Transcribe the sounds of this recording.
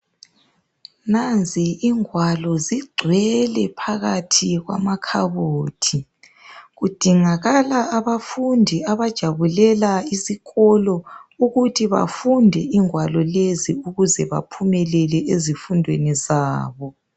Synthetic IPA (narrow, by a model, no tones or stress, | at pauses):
nand͡ziiŋwalɔziɡ͡ǀʱwɛlɛpʰaɣatʰiɣwa̰makʰaβoːtʰi | ɣud̥ʱiŋaɣalaːβafundʱiaβad̥ʒ̥ʱaβulɛlaisiɣɔlɔuɣutʰiβa̰fundʱɛʔiŋwalɔleziuɣuzɛβa̰pʰumɛlɛlɛʔezifundʱwenizaːβɔ